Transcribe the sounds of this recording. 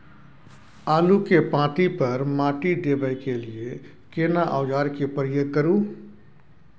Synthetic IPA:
aːlukepãːʈ̪ipəɾmãːʈid̪eːbəjkelie | keːnaʔaʊd͡ʒaːɾkepɾɪjoɡ̚kəɾu

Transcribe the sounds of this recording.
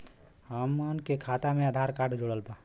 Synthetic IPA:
amankekʰaːt̪amẽəd̪ʱaɾkaːʈd͡ʒoːɽəlba

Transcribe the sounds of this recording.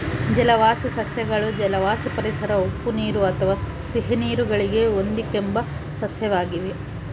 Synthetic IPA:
d͡ʒɛlɐʋaːsisɐsjɐɡɐɭud͡ʒɛlɐʋaːsipɐɾisɐɾɐopːuniːɾuɐt̪ʰɐʋaː | siɦiniːɾuɡɐɭiɡe̞ond̪ikembɐ | sɐsjɐʋaːɡiʋe

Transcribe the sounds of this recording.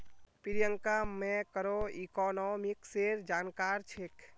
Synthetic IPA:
piɾjəŋkamẽkəɾoikɔnɔmikseɾd͡ʒaːnkaɾt͡ʃʰekʰ

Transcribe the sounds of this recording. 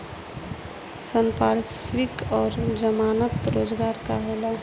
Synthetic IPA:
sənpaɾswikɔːɾd͡ʒəmaːnət̪ɾoːd͡ʒɡaːɾkaɦola

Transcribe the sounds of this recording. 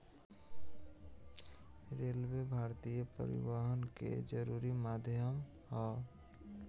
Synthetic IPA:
ɾeːlwebʱaːɾt̪ijəpə̰ɾɪ̰wəɦənkḛd͡ʒəɾuːɾimaːd̪ʱjəm | hɔː

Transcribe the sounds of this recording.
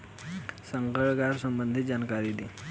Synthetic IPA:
səŋkəɭɡaɾsəmbənd̪ʱiːt̪d͡ʑankaɾiːd̪iː

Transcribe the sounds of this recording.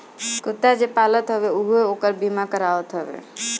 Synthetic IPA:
kut̪ːad͡ʒepalət̪ɦəβeuɦeokəɾbimakəɾaʋət̪ɦəbḛ

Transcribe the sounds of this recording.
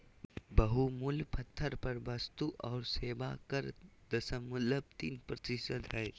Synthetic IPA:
bɐɦumʊlpɐt̪ʰːəɾpɐɾbast̪uʔɔːɾseːʋa̰kɐɾd̪ɐsəmʊd̪əb̚t̪iːnpɾɐt̪ɪʃəd̪ɦɛː

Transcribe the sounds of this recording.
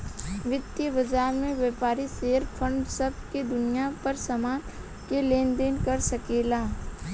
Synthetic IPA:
ʋɪt̪ːebɐd͡ʒaːɾmẽʋjeːpaːɾiseːəɾpʰə̃ɳɖsəb̚ked̪ʊnijapɐɾsɐmaːn | keleːnd̪eːnkɐɾsɐkeːlaː

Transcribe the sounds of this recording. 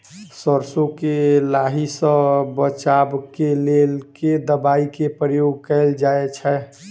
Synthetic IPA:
səɾsõkelaɦisə̃bət͡ʃabkelelked̪əbaikepɾəjoːɡ̚kɛɪld͡ʒaet͡ʃʰɛ

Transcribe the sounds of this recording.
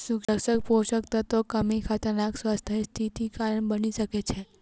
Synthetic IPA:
sukʃəkʃək̚poʃək̚t̪at̪okəmikʰat̪əɾnakswast̪ʰjəst̪ʰit̪ʰikaɾəɳ̃bəniʃəket͡ʃʰe

